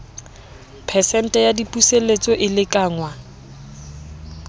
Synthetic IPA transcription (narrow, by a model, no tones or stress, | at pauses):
pʰɛsɛn̩tʼɛjadipʼuselet͡sʼɔʔɪlɪkʼaːŋwa